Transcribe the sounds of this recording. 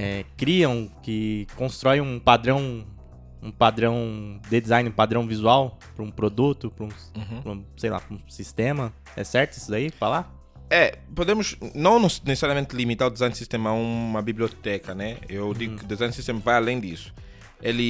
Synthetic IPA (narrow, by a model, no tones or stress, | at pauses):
ɛkɾiɐ̃w̃kɪkõst̪ɾɔjũpad̪ɾɐ̃w̃ | ũpad̪ɾɐ̃w̃d̪ɪd̪izãj̃nɪũpad̪ɾɐ̃w̃vizuaw | pɾɐũpɾod̪ut̪ʊpɾũ | pɾũsejla̰pɾũsist̪ẽmɐ | ɛ̰sɛɾt̪ʊesʊd̪aipɾala | ɛpod̪ẽmʊsnɐ̃w̃nesnesesaɾjɐmẽnt̪ɪlimit̪aɾʊd̪izajnsist̪ẽmɐɛũmɐbibliot̪ɛkɐnɛewd̪iɡʊkɪʊd̪ezãjnsist̪ẽmɐvajalẽj̃d̪isʊ̥ | elɪ